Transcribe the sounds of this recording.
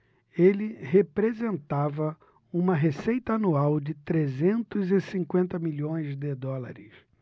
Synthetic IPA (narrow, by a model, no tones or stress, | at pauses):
elɪɦepɾezẽnt̪avɐ | ũmɐɦesejt̪ɐanuawd͡ʒɪt̪ɾezẽnt̪ʊzɪsĩŋkwẽnt̪ɐmiʎõj̃zd̪ɪd̪ɔla̰ɾɪs